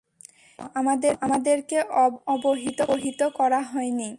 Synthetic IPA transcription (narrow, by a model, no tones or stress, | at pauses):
amad̪eamad̪eɾkeɔɔboɦit̪oɦit̪okɔɾaɦɔeni